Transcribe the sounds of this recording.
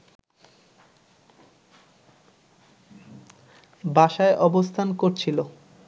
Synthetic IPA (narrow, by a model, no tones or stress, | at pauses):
bʱaʃaeʔɔbost̪ʰankoɾt͡ɕʰilo